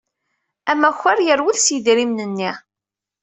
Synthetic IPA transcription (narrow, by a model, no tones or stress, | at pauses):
æmːæçːæɾjəɾwiðsjidɾimnənːi